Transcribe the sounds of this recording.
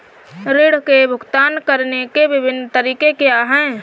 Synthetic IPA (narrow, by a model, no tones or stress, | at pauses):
ɾɪɽ̤kebʱʊɡt̪aːnkəɾnekeʋɪbʱɪnːt̪əɾiːkekejaɦɛ̃ː